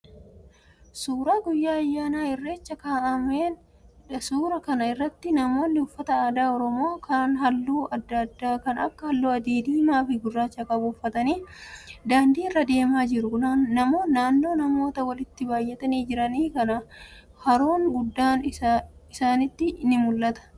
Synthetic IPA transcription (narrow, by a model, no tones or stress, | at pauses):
suːɾaːɡʊjːaːɐjːaːnaːɪrːe̞ːt͡ʃːɐkaːʔɐmeːn | ᶑɐsuːɾɐkɐnɐɪrːɐt̪ːɪnɐmo̞ːnːɪʊfːɐt̪ɐaːd̪aːɔɾɔmo̞ːkʰɐaːnɦɐlːuːɐd̪ːɐd̪ːaːkɐnɐkːɐhɐlːuːɐd̪iːd̪iːmaːfɪɡʊrːaːt͡ʃːɐkɐbuʊfːɐt̪ɐniːd̪aːnd̪iːrːɐd̪e̞ːmaːd͡ʒɪɾʊnɐmo̞ːnaːnːo̞ːnɐmo̞ːt̪ɐwɐlɪt̪ːɪbaːjːɛt̪ɐniːd͡ʒɪɾɐniːkɐnɐ | hɐɾoːŋɡʊd̪ːaːnɪsaːnɪt̪ːɪʔnɪmʊlːɐt̪ɐ̥